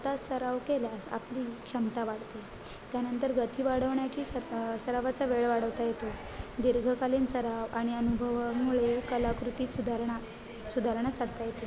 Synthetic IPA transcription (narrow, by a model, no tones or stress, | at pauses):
t̪asːəɾaʋkeljasa̰pliːkɕəmt̪aʋaɽt̪e | t̪janənt̪əɾɡət̪ʰiːʋaɽəʋɳjat͡ɕiːsəsəɾaʋat͡saʋeɭʋaɽ̤əʋt̪ajet̪o | d̪iɾɡʱəkaliːnsəɾaʋaɽ̃iənubʱəʋamuɭekəlakɾut̪iːsud̪ʱaɾɳa | sud̪ʱaɾɳjasaɽt̪ajet̪e